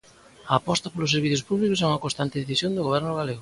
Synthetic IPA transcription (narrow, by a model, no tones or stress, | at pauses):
ɐːpɔst̪ɐpolʊseɾβ̞iθjʊspuβlikʊsɛuŋɐkõnst̪ant̪eðeθisjond̪ʊɣoβ̞ɛɾnʊɣ̞aleɣʊ